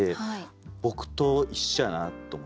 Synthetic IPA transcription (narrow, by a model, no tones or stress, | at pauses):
e | bo̞kɯ̟̥t̪oiɕːanat̪ːomo